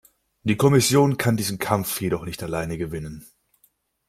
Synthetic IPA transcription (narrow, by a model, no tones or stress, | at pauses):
d̥iːkʰɔmɪsjoːnkʰandiːzn̩kʰamfjedɔχnɪçtalaɪnəɡəvɪnən